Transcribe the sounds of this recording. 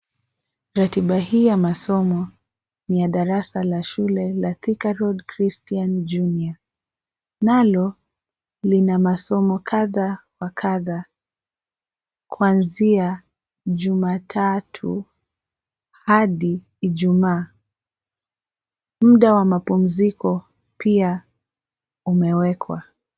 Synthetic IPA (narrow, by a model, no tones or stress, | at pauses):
ɾatiɓahiːjamasɔmɔ | nijaɗaɾasalaʃulɛlaθikaɾɔdkɾistiand͡ʒunia | nalɔ | linamasɔmɔkʰaðawakʰaða | kuanzia | ʄumaːtʰatʰṵ | haɗiː | ʄumaː | m̩ɗawamapum̩zikɔ | pia | umɛwɛkʰwa̰